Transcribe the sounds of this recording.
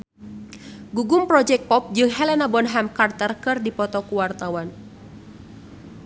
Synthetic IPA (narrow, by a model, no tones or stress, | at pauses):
ɡuɡʊmpɾɔd͡ʒɛk̚pɔp̚d͡ʒɨŋɦɛlɛnabɔnɦamkart̪ərkɨrdipɔt̪ɔkuwart̪awan